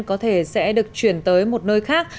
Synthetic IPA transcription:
nkɔ˨˦t̪ʰe˧˩sɛ̰˧˥ɗɨ˨˩ək̚t͡ɕwi˧˩ənt̪əː˨˦jmo˨˩t̚nəː˧jxaː˦˥k̚

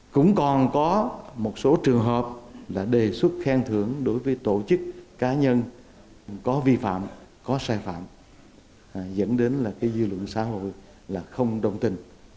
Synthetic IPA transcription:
kʊ̰˧˥ŋ͡mkɔ˨˩nkɔ˨˦mo˨˩t̚so˨˦t͡ɕɨ˨˩əŋɦəː˨˩p̚laː˨˩ɗe˨˩swə˦˥t̚xɛ˧ŋt̪ʰɨ˧˩əŋɗo˨˦jvəː˨˦jt̪o˧˨t͡ɕɨ˦˥k̚ːaː˨˦ɲə˧n | kɔ˨˦vi˧fa̰ː˧˨mkɔ˨˦saː˧jfa̰ː˧˨m˨˩ | zə̰˧˥nɗe˨˦nlaː˨˩kaː˨˦jzɨ˧lwə̰˧˨nsa̰ː˧˥ɦo̰˧˨j | laː˨˩xə˧wŋ͡mɗə˧˩wŋ͡mt̪ï˧˩ŋ̟

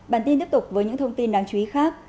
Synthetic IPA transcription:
ɓaː˧˩nt̪i˧t̪i˦˥əp̚t̪ʊ˨˩k͡p̚vəː˨˦jɲɨ̰˧˥ŋt̪ʰə˧wŋ͡mt̪i˧nɗaː˧˩ŋt͡ɕu˨˧˨i˨˦xaː˦˥k̚

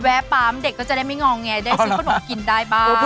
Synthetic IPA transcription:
wɛː˨˦˥paː˨˦˥mde˨˩kːɔː˥˩t͡ɕa˨˩da˥˩jma˥˩jŋɔː˧ŋːɛ˧da˥˩skʰa˧no˨˩˦mki˧ndaː˥˩jbaː˥

